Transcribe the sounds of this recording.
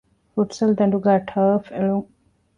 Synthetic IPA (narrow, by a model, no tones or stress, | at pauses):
fuʈsɐld̪ɐ̃ɳɖuɡaːʈʰəːfeluŋ